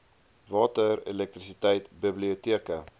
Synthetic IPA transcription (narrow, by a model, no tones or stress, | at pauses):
vɑːtəɾḛlɛk̚t̪ɾisitɛjtbibliutiəkə